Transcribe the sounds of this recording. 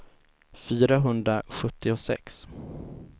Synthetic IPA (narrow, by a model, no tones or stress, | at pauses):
fyːɾaɦɵnd̪ɾaɧɵt̪ʰːɪʊsɛ̰ks